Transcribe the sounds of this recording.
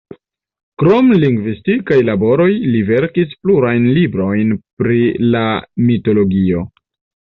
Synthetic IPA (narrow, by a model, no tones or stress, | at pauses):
kɾo̞mliŋɡvistikajlabo̞ɾo̞jlive̞ɾkispluɾajnlibɾo̞jnpɾilamito̞lo̞ɡio̞